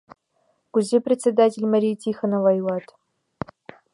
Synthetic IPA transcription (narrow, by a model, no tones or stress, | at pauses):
kuzʲeprʲet͡sʲed̪atʲelʲmɐɾʲijtʲixə̆nŏvɑjulɑt̪